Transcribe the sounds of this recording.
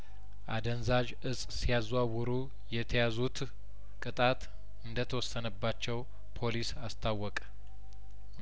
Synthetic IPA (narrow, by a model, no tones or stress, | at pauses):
ʔa̰d̪ənzad͡ʒ | ɨsʼsijazwawɨɾu | jɛt̪ʰəjazut̪ | kʼɨt̪ʼat̪ | ɨnd̪ət̪ʰəwɔsːənəbːat͡ʃːɛw | pʰo̞lisast̪ʰawːɔkʼ